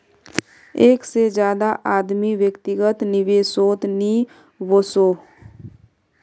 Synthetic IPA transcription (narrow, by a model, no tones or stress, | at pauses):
eːksed͡ʒjaːd̪aʔaːd̪miʋjəkt̪ɪɡət̪nɪʋeːsoːt̪niː | ʋosoː